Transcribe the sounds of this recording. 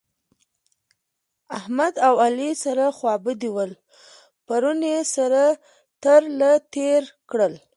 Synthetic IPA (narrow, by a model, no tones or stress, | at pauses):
ahmad̪awalisaɾaxwɑbəd̪iwəl | paɾunjesaɾa | t̪əɾlat̪eɾkɽəl